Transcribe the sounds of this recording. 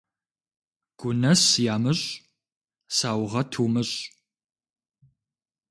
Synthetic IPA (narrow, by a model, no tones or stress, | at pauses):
ɡ̥ʷʊnɐsjaːmɨɕʼ | saːwʁɐtʰuːmɨɕʼ